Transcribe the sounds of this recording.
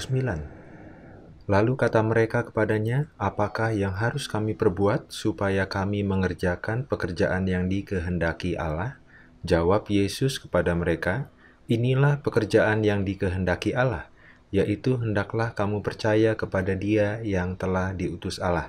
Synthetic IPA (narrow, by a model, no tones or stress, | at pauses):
səmbilan | lalukat̪aməɾekakə̥padaɲaapakahjaŋɦaɾʊskamipərbuat̪̚supajakamiməŋərd͡ʒakanpəkərd͡ʒaʔanjaŋdikəɦəndakiʔa̰lah | d͡ʒawapjesʊskə̥padaməɾeka | inilahpəkərd͡ʒaʔanjaŋdikəɦəndakiʔalah | jaʔit̪uɦəndaklahkamupərt͡ʃajakəpadadiajaŋt̪əlahdiut̪ʊsalah